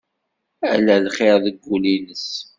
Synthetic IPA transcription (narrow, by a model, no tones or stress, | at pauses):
æ̰lælχeɾðəɡːulinəs